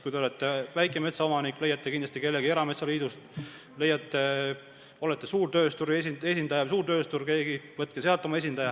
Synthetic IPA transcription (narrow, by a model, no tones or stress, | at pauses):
kujd̪eolet̪ˑːevæjkːˑeme̞t̪sɑo̞mɑnikːˑle̞jːɑt̪ˑːekind̪lɑst̪ike̞lːeɡie̞ɾɑme̞t̪sɑliːd̪ust̪ | le̞jːɑt̪ːe | o̞let̪ːe̞suːrt̪ø̞ːst̪uɾiesie̞sind̪̥ɑjɑs̬uːrt̪ø̞ːst̪urke̞ːɡivɤt̪̚ːˑkese̞ɑlt̪ːˑo̞mɑesind̪ɑjɑ